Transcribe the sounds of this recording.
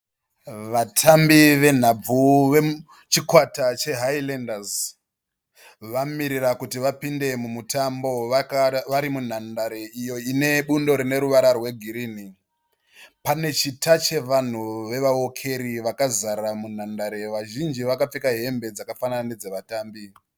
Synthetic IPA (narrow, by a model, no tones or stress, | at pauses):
ʋatʰambiʋe̞n̤ab͡vuʋe | t͡ʃikwatat͡ʃe̞ɦailendaz | ʋamiɾirakutiʋapinde̞mumutambo̞ʋaɾimun̤andaɾe̞ijo̞ine̞ɓundo̞ɾine̞ɾuʋaɾarwe̞ɡʱiɾiːni | pane̞t͡ʃitat͡ʃe̞ʋan̤uʋe̞ʋawokʰe̞ɾiʋakazaɾamun̤andaɾe̞ʋaʒind͡ʒiʋakap͡fikaɦe̞mbe̞d͡zakafanananed͡zeʋataːmbi